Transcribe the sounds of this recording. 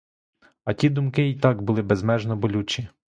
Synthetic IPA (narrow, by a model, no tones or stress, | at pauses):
ɐtʲid̪ʊmkɪit̪ɑɡbʊlˠɪbezmɛʒnɔbɔlʲut͡ʃʲi